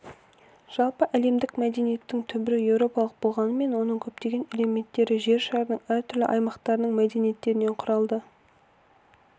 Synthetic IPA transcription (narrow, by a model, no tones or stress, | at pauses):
ʒ̥ɑlˠpəʔæle̞md̪ɪkmæd̪e̞nije̞t̪ːɪŋt̪ʰʏbɪɾɪje̞wɾo̞pɑlˠəq̚bo̞lˠʁɑnəme̞nwo̞nəɴkʲʰɵpt̪e̞ɡʲe̞neleme̞nt̪ːe̞ɾɪʒe̞ɾʃɑɾənəɴæɾt̪ʰʏɾlɪ̰ʔɑjmɑqt̪ɑɾənəɴmæd̪e̞nije̞t̪ːe̞ɾɪne̞ɴqʰʊɾɑlˠd̪ə